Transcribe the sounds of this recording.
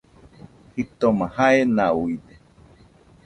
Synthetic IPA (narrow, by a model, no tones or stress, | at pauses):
hit̪omãhaenauide